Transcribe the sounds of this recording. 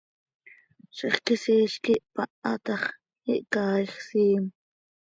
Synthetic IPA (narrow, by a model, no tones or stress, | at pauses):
ʃeχkisiːʃkiʔpɑʔɑt̪ɑχ | iʔkɑːχsiːm